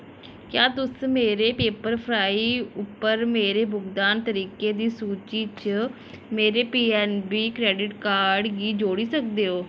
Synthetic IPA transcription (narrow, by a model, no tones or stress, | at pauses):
kjaːt̪ʊsmeːɾeːpeːpəɾpʰɾaːiʊpːəɾmeːɾeːbʊɡd̪aːnt̪əɾiːkeːd̪iːsuːt͡ʃiːt͡ʃə | meːɾeːpiːɛːnbiːkɾɛːɖɪʈkaːɾɖɡiːd͡ʒoːɽiːsək̚d̪eːɦoː